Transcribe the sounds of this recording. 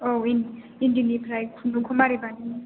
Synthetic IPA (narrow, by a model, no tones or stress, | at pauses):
oin | indinibʰɾajkʰunukʰumaɾibani